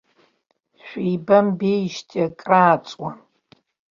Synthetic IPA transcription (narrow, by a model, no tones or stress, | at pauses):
ɕʷᶣiːbɐmbejʃtʰʼɐkʼraːt͡sʼwa